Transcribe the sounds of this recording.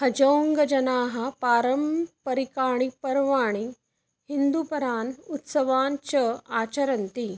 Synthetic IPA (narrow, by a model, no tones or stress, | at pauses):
hɐd͡ʒɐwŋɡɐd͡ʒɐnaːɦɐ̆paːɾɐmpɐɾikaːɳipɐɾʋaːɳ̃i | hind̪upɐɾaːnut̪sɐʋaːnt͡ʃɐaːt͡ʃɐɾɐnt̪i